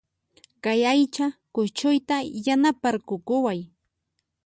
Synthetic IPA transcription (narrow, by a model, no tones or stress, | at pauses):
kajajt͡ʃakʊt͡ʃʊjt̪ajanapaɾkʊkʊwaj